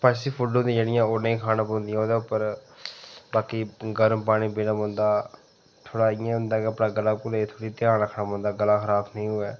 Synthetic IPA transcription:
pʰəʃsiːpʰʊɖõnd̪ĩːd͡ʒeːɽɪjãːoːnĩːkʰaːnãːpõnd̪ɪijãːoːd̪eːʊpːəɾ | baːkiːɡəɾmpaːɽ̃ĩːbiːnãːbə̃nd̪aː | t̪ʰoːɽaːɪjãːɦʊ̃nd̪aːkeəpɽãːɡəlaːkʊlet̪ʰoːɽiːt̪ɪjãːɾəkʰːnaːbnd̪aːɡəlaːxʰəɾaːbnəĩːɦʊɛː

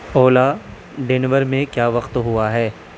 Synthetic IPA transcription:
oːla | ɖenʋəɾmẽkjaːʋɐqt̪ɦʊaɦɛː

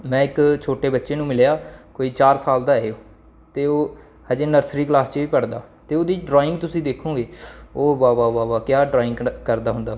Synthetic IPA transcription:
mɛ̃ːɪkt͡ʃʰoːʈeːbətːʃeːnũːmɪljaːkoːiːt͡ʃaːɾsaːld̪aːɦeoː | t̪eːoː | həd͡ʒeːnəɾsɾiːklaːst͡ʃʋiːpəɽd̪a̰ːt̪eːoːd̪iːɖɾoːɪ̃ŋɡt̪ʊsĩːd̪eːkʰũːɡeːoːbaːʋaːʋaːʋaːkjaːɖɾaːɪ̃ŋɡkəɾd̪aːɦʊ̃nd̪aː

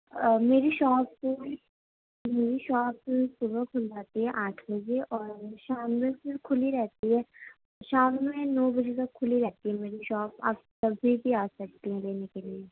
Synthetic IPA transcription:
əmeːɾiʃɔːp̚ko | meːɾiʃɔːpsʊbəkʰʊld͡ʒaːt̪iɦɛʔaːʈʰbɐd͡ʒeʔɔːɾʃaːmːẽsɪkʰʊliɾɛɦt̪iɦɛː | ʃaːmːẽnɔːbɐd͡ʒet̪ɐkʰːʊliɾɛɦt̪iɦɛmeːɾiʃɔːpa̰ːp̚tɐbʱibʱiaːsɐk̚t̪eɦɛ̃leːnekelie

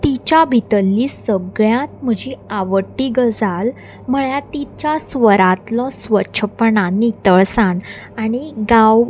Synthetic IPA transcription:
t̪it͡ɕabʱit̪əlːiːsəɡɭjãt̪̚m̤əd͡ʑiaʋəʈːiɡəd͡zal | m̤əɭjat̪it͡ɕjasʋəɾat̪lɔsʋəɕʰəpəɳanit̪əɭsãɳaɽ̃iɡãw

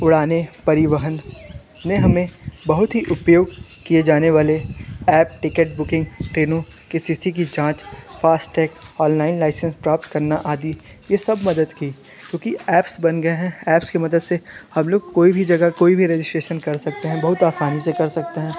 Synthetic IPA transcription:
ʊɽaːnepɐɾɪʋəɦənː | eɦɐmẽbɐɦʊt̪ɦiʔʊpjoːɡkied͡ʒaːneʋaːleɛːp̚ʈɪkəʈ̚bʊkɪ̃ŋɡʈɾeːnõ | kesisik̬id͡ʒãːt͡ʃfaːsʈʈɛːkɔːnlaːɪnlaːɪsə̃nspɾaːp̚t̪kɐɾnaʔaːd̪i | jesɐbmɐd̪əd̪kiː | kjõːkiɛːpsbɐnɡɐeɦɛ̃ɛːpskemɐd̪əd̪sehɐmloːɡ̚koːibʱid͡ʒɐɡakoːibʱiɾeːd͡ʒɪsʈɾeːʃənkɐɾsɐk̚t̪eɦɛ̃bɐɦʊt̪aːsaːnisekɐɾsɐk̚t̪eɦɛ̃ː

